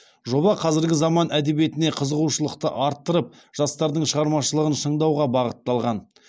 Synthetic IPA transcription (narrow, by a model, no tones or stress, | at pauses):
ʒo̞bɑqʰɑzɪɾɡʲɪzɑmɑnʔæd̪e̞bije̞t̪ɪne̞qʰəzəʁuʃəlˠəq̚t̪əʔɑɾt̪ːəɾəp̚ | ʒ̥ɑst̪ɑɾd̪əɴʃəʁɑɾmɑʃəlˠəʁənʃəɴd̪ɑwʁɑbɑʁət̪ːɑlˠʁɑn